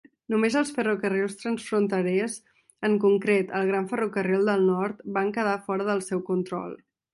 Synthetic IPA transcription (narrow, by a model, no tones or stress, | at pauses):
numezəlˠsfərukəriwst̪ɾənsfɾunt̪əɾɛz | əŋkuŋkɾet̪əlˠɣɾaɱfərukərilˠd̪əlˠnɔɾt̪baŋkəðafɔɾəðəlˠsɛwkunt̪ɾɔ̰lˠ